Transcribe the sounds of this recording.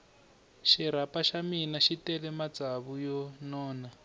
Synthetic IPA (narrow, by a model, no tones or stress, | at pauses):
ʃiɾ̤apaʃaminaʃitɛlɛmad͡zaβujɔnɔːna